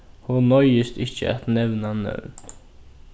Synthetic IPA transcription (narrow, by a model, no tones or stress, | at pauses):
hunɔjəst̪ɪçə̰a̰t̪nɛʋnanœ̰ːn